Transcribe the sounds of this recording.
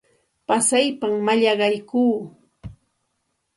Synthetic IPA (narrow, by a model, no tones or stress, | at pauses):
pasajpammaʎɑɢɑjkuː